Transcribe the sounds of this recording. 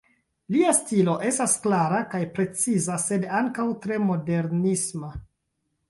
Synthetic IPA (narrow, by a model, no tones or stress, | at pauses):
liastilo̞ʔe̞stasklaɾakajpɾe̞t͡sizase̞daŋkawtɾe̞mo̞de̞ɾnisma